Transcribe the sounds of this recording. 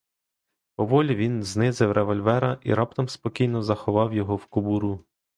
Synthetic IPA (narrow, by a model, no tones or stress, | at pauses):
pɔʋɔlʲiʋʲinznɪzɪwɾʔeʋɔlʲʋɛɾɐʔḭɾɑpt̪ɔmspɔkʲijnɔzɐxɔʋɑwjɔɦɔwkʊbuɾu